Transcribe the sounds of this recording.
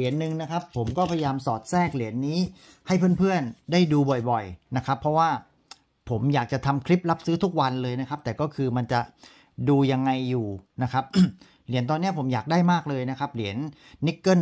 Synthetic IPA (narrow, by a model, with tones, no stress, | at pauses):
li˨˩˦ənːɯ˨˩ŋna˦˥kʰa˦˥pʰːo˩˦mkɔː˥˩pʰa˧ja˧jaː˧msɔː˨˩t̪̚sɛː˥˩k̚li˨˩˦ənːiː˦˥ | ha˥˩jpʰɯ˥˩npʰɯ˥˩əndaː˥˩jduː˧bɔ˨˩jbɔ˨˩jna˦˥kʰa˦˥pʰːɾɔ˦˥waː˥˩ | pʰo˩˦mjaː˨˩k̚t͡ɕa˨˩t̪ʰa˧mkʰɾi˦˥p̚la˦˥p̚sɯː˦˥t̪ʰu˦˥k̚wa˧nlɤː˧jna˦˥kʰa˦˥p̚t̪ɛː˨˩kɔː˥˩kʰɯː˧ma˧nt͡ɕa˨˩ | duː˧ja˧ŋːa˧jːuː˨˩na˦˥kʰa˦˥p̚ | li˩˦nt̪̬ɔː˧nːi˦˥ɐpʰo˩˦mjaː˨˩k̚daː˥˩jmaː˥˩k̚lɤː˧jna˦˥kʰa˦˥p̚li˩˦ənː | i˦˥kːɤ˥˩